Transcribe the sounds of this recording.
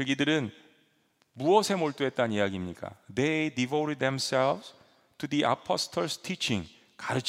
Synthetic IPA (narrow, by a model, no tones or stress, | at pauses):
ɯɡidɯɾɯn | muwʌsʰe̞moɭt͈oe̞t̚t͈anijaɡimɲik͈a̰d̪edivoɾed̪̚demsɛlvs | tʰudiʔa̰pʰʌstʰʌɭstʰit͡ɕʰĩŋ | kaɾɯt͡ɕ